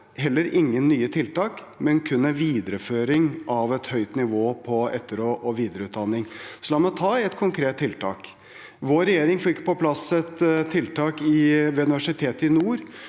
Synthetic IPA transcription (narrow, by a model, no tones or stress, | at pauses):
hɛlːəɾɪŋːənːyːət̪ʰɪlt̪ɑːk | mɛnkʰʉnːəʋiːd̪əɾəføːɾɪŋɑʋɛt̪hœʏt̪nɪʋoːpʰɔɛt̪ːəɾoːʔɔʋiːd̪əɾəʉːt̪̚d̪ɑnːɪŋsɔlɑmɛɔt̪ʰɑːɛt̪kʰʊŋkʰɾeːt̪ʰːɪlt̪ʰɑ̰ːk | ʋoːɾɛjeːɾɪŋfɪkːpɔpʰlɑsɛt̪t̪ʰːɪlt̪ʰɑːkɪʋɛːʉnɪʋæʂɪt̪ʰeːt̪əɪnuːɾ